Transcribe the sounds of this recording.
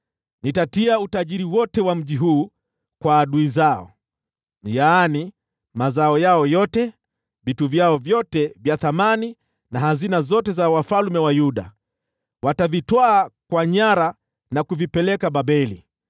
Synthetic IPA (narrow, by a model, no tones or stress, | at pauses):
nitatiautaʄiɾiwɔtɛwam̩ʄiɦuː | kwaːɗuizaɔ̰ | jani | mazaɔjaɔjɔtɛ | vituvjaɔvjɔtɛvjaθamani | nahazinazɔtɛzawafalmɛwajuɗa̰ | watavitwaːkwaɲaɾa | nakuvipɛlɛkaɓaɓɛlḭ